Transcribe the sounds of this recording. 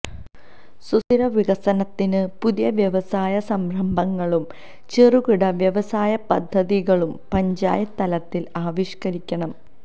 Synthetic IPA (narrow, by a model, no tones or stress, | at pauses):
susiɾɐʋiɣɐsɐnɐt̪ːinɨpuðijɐʋjɐʋɐsaːjɐsɐmɾɐmbʱɐŋːɐɭum | t͡ɕeruɣiɽɐʋjɐʋɐsaːjɐpɐd̪ʱːɐðiɣɐɭumpɐɲd͡ʑa̰ːjɐt̪ɐlɐt̪ːilaːʋiʂkɐɾikʲːɐɳɐm